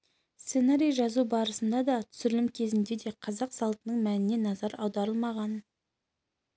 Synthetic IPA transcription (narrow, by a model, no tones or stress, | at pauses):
st̪senaɾʲijʒɑzubɑɾəsənd̪ɑd̪ɑt̪ʰʏ̥sʏɪɾɪlɪmkʲʰe̞zɪnd̪e̞d̪e̞qʰɑzɑqsɑlˠt̪ənəɴmænɪne̞nɑzɑɾɑwd̪ɑɾəlˠmɑʁɑn